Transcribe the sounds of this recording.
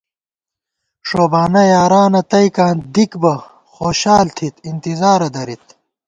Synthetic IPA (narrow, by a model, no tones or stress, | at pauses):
ʂoːbaːnɐjaːɾaːnɐt̪ɐjkãːnd̪ikbɐ | xoːɕaːlt̪ʰit̪int̪izaːɾɐd̪ɐɾit̪̚